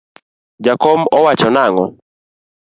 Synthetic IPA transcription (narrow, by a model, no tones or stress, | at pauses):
d͡ʒakɔmɔwat͡ʃɔnaŋɔ